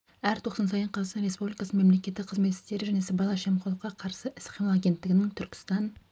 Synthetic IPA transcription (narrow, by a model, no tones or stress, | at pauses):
æɾt̪ʰo̞qsɑns̬ɑjəɴqʰɑzsɑnɾe̞spublikɑsəmemle̞kʲe̞t̪ːɪqʰəzme̞t̪ːɪ̥st̪e̞ɾɪʒæne̞sɪbɑlˠɑʃemqʰolˠəqːɑqʰɑɾsəʔɪsqʰimɑlˠaɡʲent̪ːɪɡʲɪnɪŋt̪ʰʏɾkʲɪ̥st̪ɑn